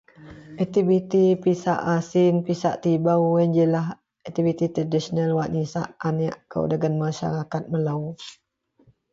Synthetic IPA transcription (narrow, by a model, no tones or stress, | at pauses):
ʔɛt̪ibit̪ipisa̰ʔasinpisaʔt̪ibawwɛɲd͡ʒilaɦ | ɛt̪ibit̪it̪ɾadisənalwaʔ̚nisaʔaniaʔkə̰wdəɡanmaʃa̰ɾakat̪̚məlaw